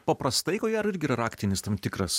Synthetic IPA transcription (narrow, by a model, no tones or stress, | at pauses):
pɐpɾɐst̪ɐɪkoːɡʲæːɾɪɾʲɡʲɪiːɾɐɾɑːkt̪ʲɪnʲɪst̪ɐmt̪ʲɪkɾɐs